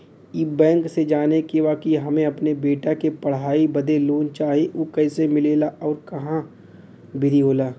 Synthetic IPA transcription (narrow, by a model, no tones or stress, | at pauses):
iːbɛ̃ːŋksed͡ʒaːnekebaːkiɦɐmẽɐpnebeːʈakepɐɽ̤ɦaːibɐd̪eloːnt͡ʃaːɦieʔoːkɛːɪsemɪleːlaʔɔːɾkɐɦã | bʱɪɾiɦoːlaː